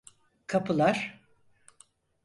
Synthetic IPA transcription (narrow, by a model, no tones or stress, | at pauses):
kʰapʰɯlˠaɾ̥